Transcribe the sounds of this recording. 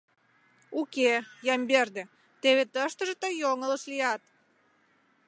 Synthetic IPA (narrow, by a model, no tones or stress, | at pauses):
ukejɑmberd̪ĕ | t̪eβet̪əʃt̪ə̆ʒət̪əjoŋələʃlijɑt̪̚